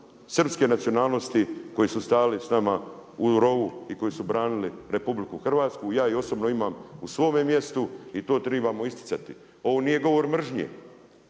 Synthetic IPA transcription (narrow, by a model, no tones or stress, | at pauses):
sr̩pske̞nat̪sio̞naːlˠno̞st̪iko̞jisust̪aːlisnamauɾo̞ʋuiko̞jisubɾaːniliɾe̞publikuxr̩ʋaːt̪skujaːio̞sobno̞imaːmusʋo̞ːmemje̞st̪uit̪o̞ːt̪ɾebamo̞ist̪i̥t̪sat̪i | o̞ʋonije̞ɡo̞ʋo̞ɾmr̩ʒɲḛː